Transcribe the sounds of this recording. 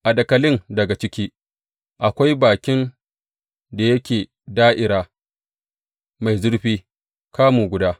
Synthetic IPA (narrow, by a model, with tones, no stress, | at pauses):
ʔa˨dɐ˨kɐ˨lɪ˦ndɐ˨ɡa˨t͡ʃɪ˦kʲiː˦ | ʔa˨kʷa˦jbaː˨kʲɪ˦n | da˨jɐ˦kʲeː˨ | daː˦ʔɪ˨ɾaː˦ | ma˨jzʊ˦ɽɸiː˦ | kaː˦muː˨ɡʷʊ˨˦daː˦